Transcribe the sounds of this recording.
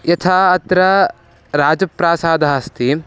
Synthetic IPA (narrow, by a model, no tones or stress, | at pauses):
jɐt̪ʰaːɐt̪ɾɐ | ɾaːd͡ʒɐpɾaːsaːd̪ʱaɦɐst̪i